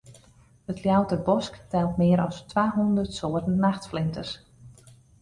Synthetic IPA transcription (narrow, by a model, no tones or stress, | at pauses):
ətljawtəbɔsktɛlˠtmɪəɾɔstʋaːɦundərtsoːətən̩naxtflɪntəs